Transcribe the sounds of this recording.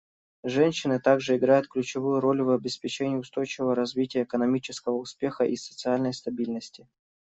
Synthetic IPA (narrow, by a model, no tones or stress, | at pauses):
ʐɛnʲɕːɪnɨt̪aɡʐɨɪɡɾajʊt̪̚klʲʉt͡ɕɪvujʊɾo̞lʲvɐbʲɪspʲɪt͡ɕenʲɪjʊst̪o̞jt͡ɕɪvəvəɾɐzvʲitʲɪjəːkənɐmʲit͡ɕɪskəvəʊspʲe̞xəʔisə̥t̪sɨalʲnəjst̪ɐbʲilʲnəsʲtʲɪ